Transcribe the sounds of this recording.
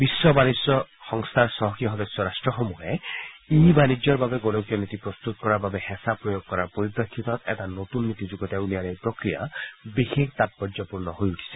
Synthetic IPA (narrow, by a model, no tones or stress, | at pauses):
bisːɔbanisjɔxɔŋst̪ʰaɾsɔɦɔkiɔɦɔd̪esjɔɾasʈɹɔxɔmuɦeibanid͡ʒɔɹbabeɡolokijɔnit̪ipɾɔst̪ut̪kɔɾababehɛsapɾɔjoɡ̚kɔɾaɾpoɾibɾakʰːit̪ɔt̪ɛ̰tanot̪unːit̪id͡ʒuɡɔt̪aunijaɾejpɾɔkɾija̰bixik̚t̪at̪̚pɔɾzɔpuɾnɔɦojuʈʰi̥sɛ